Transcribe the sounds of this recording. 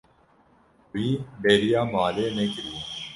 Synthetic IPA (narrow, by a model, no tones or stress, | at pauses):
iːɖeːɾɪjaːmaːleːnẽːkəɾi